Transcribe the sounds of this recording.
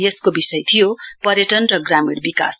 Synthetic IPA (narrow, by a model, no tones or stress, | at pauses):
eskobisʌjt̪ʰijopʌɾjʌʈʌnrʌɡramiɽbika̰s